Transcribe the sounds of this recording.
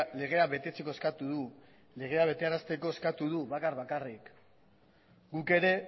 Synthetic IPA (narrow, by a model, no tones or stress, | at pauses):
le̞ɣ̞e̞aβe̞t̪e̞t͡seko̞e̞skat̪uðu | le̞ɣ̞e̞aβe̞t̪e̞aɾast̪e̞ko̞eskat̪uðuβakarβakarik | ɡuke̞ɾe̞